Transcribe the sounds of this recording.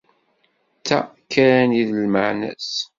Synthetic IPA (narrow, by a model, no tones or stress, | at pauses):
t͡sːæ̰kːæɾæniðəlməʕnæ̰s